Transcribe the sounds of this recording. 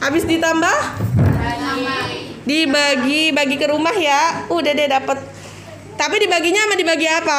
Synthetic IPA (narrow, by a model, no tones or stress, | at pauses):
abɪsdit̪ambah | dibaɡibaɡikəɾumahjaudahdiɛdapət̪̚ː | apidibaɡiɲaːmadibaɡiapa